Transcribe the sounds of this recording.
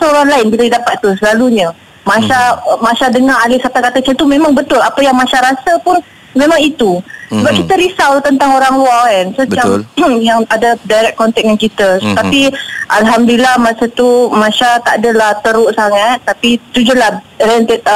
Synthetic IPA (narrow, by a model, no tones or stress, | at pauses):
səoɾaŋlaɪnbiladidapat̪ːusəlaluɲə | masamãsadəŋaɾalɪsat̪akat̪ət͡ʃət̪umemaŋbət̪ʊlapəjaŋmasaɾasapʊn | memaŋit̪usəbap̚kit̪əɾisawt̪ənt̪aŋoɾaŋwaɛnsət̪iamjaŋadadajɾɛk̚kːɔnt̪ɛk̚mɛnkit̪əst̪apiʔalɦamdilahmasət̪umãsat̪aʔadəlaht̪əɾʊʔsaŋat̪̚ːapit̪ud͡ʒulah | ɾɛnt̪ət̪̚